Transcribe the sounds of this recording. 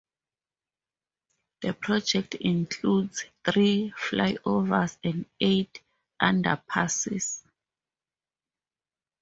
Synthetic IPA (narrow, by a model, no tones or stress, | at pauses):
ð̥əpʰrɔd͡ʒɛk̚tʰĩŋkʰludzθriflajʔovasɛ̃ndetʰ | ʔãnda̰pʰasḭs